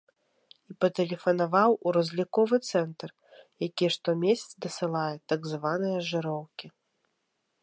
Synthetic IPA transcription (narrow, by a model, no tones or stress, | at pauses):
ipɐt̪ɛlʲɛfɐnavawuɾɐzʲlʲikɔvɨt̪sɛnt̪r | jakʲiʂt̪ɔmʲesʲɐ̥t̪sd̪ɐsɨlˠajɛt̪aɡzvanɨjɐʐɨɾɔwkʲi